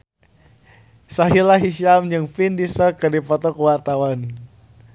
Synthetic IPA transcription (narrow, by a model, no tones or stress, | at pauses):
saɦilaɦiʃiamd͡ʒɨŋfindisəkədipɔt̪ɔkəwart̪awan